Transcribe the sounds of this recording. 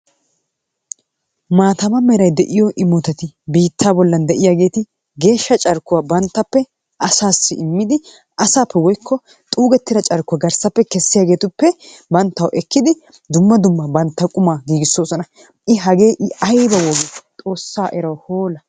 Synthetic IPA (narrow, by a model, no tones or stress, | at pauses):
maːt̪ɐmɐmɛɾɐjd̪ɛʔɪjɔʔɪmɔt̪ɐt̪ɪbiːt̪ʰːaːbɔlːɐnd̪ɛʔɪjaːɡe̞ːt̪ɪ | ɡe̞ːʃːɐt͡ʃʼɐɾkʊwaːbɐnt̪ːɐpːɛ | ʔɐsaːsːɪʔɪmːɪd̪ɪ | ʔɐsaːpːɛwɔjkʰːɔ | t̪ʼuːɡɛt̪ːɪɾɐt͡ʃʼɐɾkʊwaːɡɐɾsɐpːɛkɛsːɪjaːɡe̞ːt̪ʊpːɛbɐnt̪ːɐwʔɛkːɪd̪ɪ | d̪ʊmːɐd̪ʊmːɐbɐnt̪ːɐkʼʊmaːɡiːɡɪsːo̞ːsɔnɐ | ʔɪɦɐɡe̞ːʔɪɐjbɐwɔɡet̪ʼo̞ːsːaːʔɛɾɐwhoːlɐ